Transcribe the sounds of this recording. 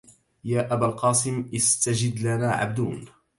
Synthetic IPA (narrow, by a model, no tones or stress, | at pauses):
jaːʔabaːlqɑːsˤɪmʔɪst̪ad͡ʒɪd̪lanaːʕa̰b̚d̪uːn